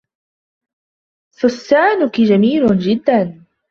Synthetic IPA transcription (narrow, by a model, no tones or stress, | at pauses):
fʊsːaːnʊkid͡ʒamiːlʊnd͡ʒɪd̪ːan